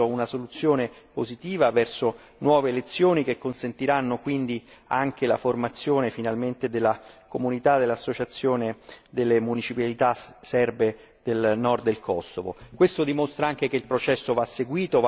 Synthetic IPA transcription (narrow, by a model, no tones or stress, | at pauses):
ounasolut̪sːjoːnepozit̪iːvavɛrso | nwɔːveːlet̪sːjoːnik̟ekːonsent̪iɾanːokwind̪iaŋkelaformat̪sːjoːnefinalment̪ed̪elːakomunit̪ad̪elːasːot͡ʃat̪sːjoːned̪elːemunit͡ʃipalit̪asɛrbe | d̪̥elnɔrd̪d̪elkʰɔsːovo̰kwest̪od̪imost̪ɾaaŋk̟ek̟eilpɾot͡ʃɛsːovasːeɡwiːt̪ov